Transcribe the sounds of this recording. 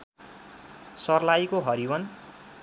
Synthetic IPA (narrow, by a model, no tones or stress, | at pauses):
sʌrlajkoɦʌɾiwʌn